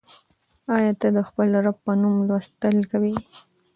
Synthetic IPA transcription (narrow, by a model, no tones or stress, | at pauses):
ɑjɑt̪ad̪əxpəlɾab̚pːənumlwast̪əlkawi